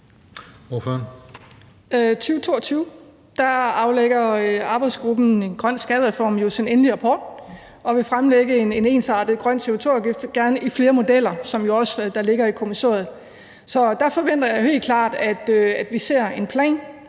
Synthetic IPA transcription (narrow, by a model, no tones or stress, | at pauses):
oføɐn | t͡sʰyːʊt͡sʰo̝ːɐt͡sʰyːʊ | d̥ɑɑ̈ʊleɡ̥ɐøɑ̈ːb̥ɑ̈ɪd̥sɡ̥ʁub̥n̩e̝nɡ̥ʁɶn̰sɡ̥ɛðəʁɛfɒ̰ːmjo̝sinenəliʁɑ̈pʰɒ̰ːd̥ | ɒ̽ʋe̝fʁamleɡ̥əene̝ne̝̰ːnsɑ̈d̥ð̩ˠɡ̥ʁɶn̰se̝ot͡sʰo̝ːɐɡ̥ifd̥ɡ̥æɐnəʔifle̝ːɐmo̝d̥el̰ɐsɒ̽mjo̝ɒ̽səd̥ɑ̈le̝ɡ̥ɐikʰo̝miso̰ːɐð̩ˠ | sɒ̽d̥ɑ̈fɒ̽ʋen̰d̥ɐjɑ̈ɦe̝̰ld̚kʰlɑ̰̈ːd̥æd̥øæd̥ʋise̝ɐ̰e̝npʰlɛ̰ːn